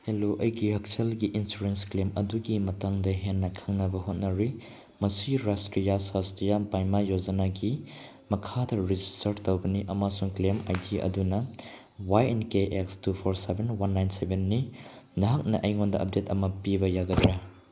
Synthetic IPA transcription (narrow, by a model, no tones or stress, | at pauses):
eloʔɐjɡihɐk̚selɡiʔinsuɾensklemɐduɡimɐtaŋdɐɦenːɐkʰaŋnɐbɐɦot̚nɐɾi | mɐsiɾastɾijasastijabajmajod͡ʒɐnaɡi | mɐkʰadɐɾid͡ʒistɐɾtowbɐniʔɐmasuŋklema̰jdiɐ̰dunɐ | wajenkeʔekstupʰoɾsebenwanːajnsebʱenːi | nɐɦak̚nɐʔɐjŋondɐʔɐp̚detɐmɐpibɐjaɡɐdɾa